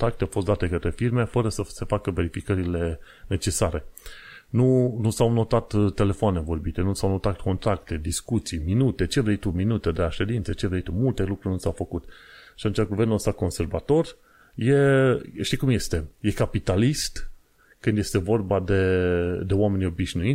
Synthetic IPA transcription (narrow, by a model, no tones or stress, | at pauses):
t̪ɾak̚t̪eawfost̪d̪at̪e̞kət̪ɾe̞firmefəɾəsəse̞fakəve̞ɾifikəɾile̞ | ne̞t͡ʃe̞saɾe̞nunusawno̞t̪at̪t̪e̞le̞foane̞vo̞rbit̪e̞nusawno̞t̪at̪ko̞nt̪ɾakt̪e̞d̪iskut̪sijminut̪e̞t͡ʃe̞vɾejt̪uminut̪e̞d̪eaʃe̞d̪int̪set͡ʃe̞vɾejt̪umult̪e̞lukɾuɾrʲnusawfəkut̪ʃat̪unt͡ʃeaɡuve̞rnulst̪ako̞nse̞rvat̪o̞r | je̞ʃt̪ikumje̞st̪e̞je̞kapit̪alist̪ | kɨnd̪je̞st̪e̞vo̞rbad̪e̞d̪e̞oame̞nijo̞biʃnuit̪ʲ